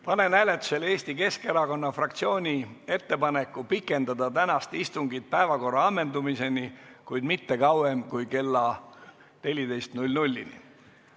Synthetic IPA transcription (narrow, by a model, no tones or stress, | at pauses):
pɑne̞næle̞t̪ːˑu̥se̞le̞ːsʲt̪ike̞ske̞ɾɑko̞nːɑfrɑkt̪sio̞ːnʲie̞t̪ːe̞pɑne̞kːˑupikːˑe̞nd̪ɑd̪ɑt̪ænɑst̪ist̪uŋɡit̪̚pæevɑko̞rːɑɑmːe̞nd̪umise̞nikujd̪mit̪ːe̞kɑwemkujke̞lːɑ | ne̞lʲid̪e̞jst̪nulʲnulʲːinḭ